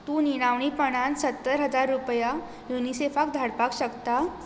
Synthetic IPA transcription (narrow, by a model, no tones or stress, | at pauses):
t̪uːniɽ̃aʋɳ̃ipəɽ̃ansət̪ːəɾɦəd͡zaɾːupja | junisefakd̪ʱaɽpakɕəkt̪a